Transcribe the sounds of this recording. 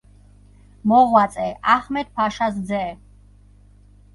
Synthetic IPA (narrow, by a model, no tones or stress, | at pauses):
mɔʁwat͡s̪sʼɛʔaχmɛt̪̚pʰaʃasd̪zɛː